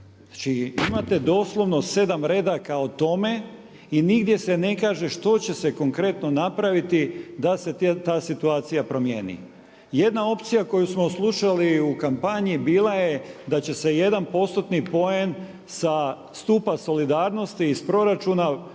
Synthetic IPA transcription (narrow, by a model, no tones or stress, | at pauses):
at͡ʃiimat̪e̞d̪o̞slˠo̞ʋno̞se̞d̪amɾe̞ːd̪akaot̪o̞me̞ | iniɡd̪je̞se̞ne̞kaːʒe̞ʃt̪o̞t͡ɕe̞se̞ko̞ŋkɾe̞t̪no̞napɾaʋit̪id̪ase̞t̪aːsit̪uaːt̪sijapɾo̞mjḛːnḭ | je̞d̪nao̞pt̪sijako̞jusmo̞slˠuʃaliukampaɲibiːlˠajed̪at͡ɕe̞se̞je̞d̪anpo̞st̪ot̪nipo̞je̞n | sa | st̪uːpaso̞lid̪aːɾno̞st̪iːspɾo̞ɾat͡ʃuna